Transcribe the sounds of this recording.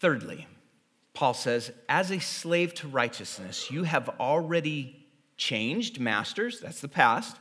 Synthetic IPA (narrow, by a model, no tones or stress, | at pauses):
θɜ˞dˡlḭ | pʰɔlˠsɛzʔɨzɨsleɪv̥tʰəɹaɪt͡ʃɨsnɨ̰sjɨɨvl̩ˠɹɛɾi | t͡ʃʰẽɪ̃nd͡ʒdmæ̰stə˞zðætsðɨpʰæst̚